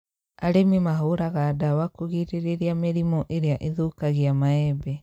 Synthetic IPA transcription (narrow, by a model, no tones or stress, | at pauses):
aɾemimaɦoɾaɣaːdawakoɣiɾeɾeɾiameɾimɔʔeɾeaʔeðokaɣiamaɛbɛ